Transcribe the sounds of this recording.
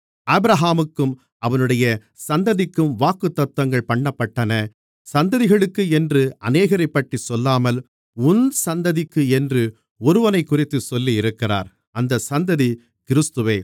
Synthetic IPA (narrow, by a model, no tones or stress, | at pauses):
ɐbɪɾɐɦaːmɯkːɯm | ʔɐʋɐnɯɽɐjɐ | sɐnd̪ɐðɪkːɯmʋaːkɯt̪ːɐt̪ːɐŋɡɐɭpɐɳːɐpːɐʈːɐnɐ | sɐnd̪ɐðɪɣɐɭɯkːɯɛndrɯʔɐ̰neːɣɐɾɐɪpːɐʈːisɔlːaːmɐl | ʊnsɐnd̪ɐðɪkːɯɛndrɯ | ɔɾɯʋɐnɐɪkːʊrɪt̪ːɯsɔlːiɪɾɯkːɪra̰ːɾ | ɐnd̪ɐsɐnd̪ɐði | kɪɾɯst̪ɯʋeː